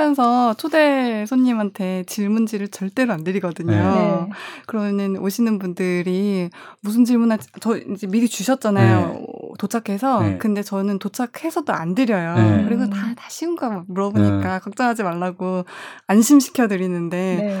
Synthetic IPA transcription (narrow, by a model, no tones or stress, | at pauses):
jʌnsʰʌt͡ɕʰode̞sʰoɲːimɦantʰe̞t͡ɕiɭmund͡ʑiɾɯɭt͡ɕʌɭt͈e̞ɾoandɯɾiɡʌdɯɲo | kɯɾʌmnɯnoɕʰinɯnbundɯɾimusʰɯnt͡ɕiɭmunat͡ɕʌid͡ʑe̞miɾit͡ɕuɕʰʌt̚t͡ɕ͈anajo̰tot͡ɕʰakʰe̞sʰʌkɯnde̞t͡ɕʌnɯntot͡ɕʰakʰhe̞sʰʌdoandɯɾjʌjokɯɾis̬ʌtatḁɕʰiuŋɡammuɾʌboɲik͈akak̚t͡ɕ͈ʌŋɦad͡ʑimaɭːaɡoanɕʰimɕ̬ʰi̥kʰjʌdɯɾinɯnde̞